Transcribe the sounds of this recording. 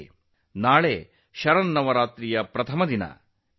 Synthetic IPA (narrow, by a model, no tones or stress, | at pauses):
naːɭeː | ʃɐɾɐnːɐʋɐɾaːt̪ɾijɐpɾɐt̪ʰɐmɐd̪inɐ̰